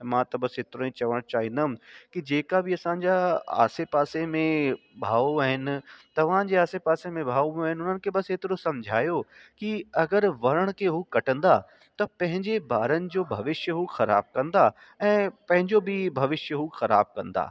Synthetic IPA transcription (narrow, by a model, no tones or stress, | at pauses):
mãːt̪ɐbɐsɦɪt̪ɪɾõĩt͡ɕɐʋəɽ̃t͡ɕaːɦĩːn̆d̪aɦmkid͡ʑeːkabɪɐsãɲd͡ʑaa̰ːsepaːsemẽ | bʱaːoaːɦɪnɪ̆t̪ɐʋ̤ãd͡ʑeaːsepaːsemẽbʱaːom̃aːɦɪnɪʊnənɪ̆kʰebɐsɦet̪ɪɾosɐ̃md͡ʑʱaːjokiɐɡəɾʋɐɾəɽ̃kʰeɦukɐʈə̃nd̪a | t̪ɐpɐ̃ɦɪ̃ɲd͡ʑebaːɾənɪ̆d͡ʑoːbʱɐʋɪʃjəɦuxɐɾa̰ːb̚kɐ̃nd̪a | ɛ̃ːpɐ̃ɦɪ̃ɲd͡ʑobʱɪbʱɐʋɪʃjəɦuxɐɾa̰ːb̚kɐ̰̃nd̪a̰ː